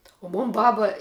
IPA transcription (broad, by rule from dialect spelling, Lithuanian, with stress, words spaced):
oː ˈmoːn ˈbɑːbɐ